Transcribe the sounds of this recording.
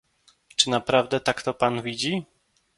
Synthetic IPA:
t͡ʂɘnapɾavd̪ɛt̪akt̪ɔpanvʲid͡ʑi

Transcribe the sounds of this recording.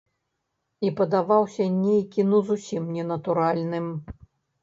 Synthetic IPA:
ipɐd̪avawsʲɐnʲejkʲinuzusʲimnʲɛnɐt̪uɾalʲnɨm

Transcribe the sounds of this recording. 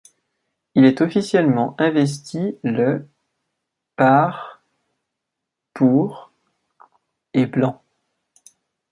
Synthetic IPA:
ilɛt̪ɔfisjɛlmɑ̃ʔɛ̃vɛs̬t̪ʰilə | paʁ | puʁ | eblɑ̃

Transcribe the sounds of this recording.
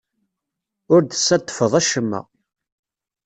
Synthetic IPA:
ʊɾd̪əsːæt̪ˤːə̥fəðˤæʃəmːæ̰

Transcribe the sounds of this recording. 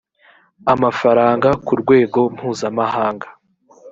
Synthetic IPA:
amafaɾaːŋɡakuɾɡwe̞ːɡo̞m̥huːzamahaːŋɡḁ

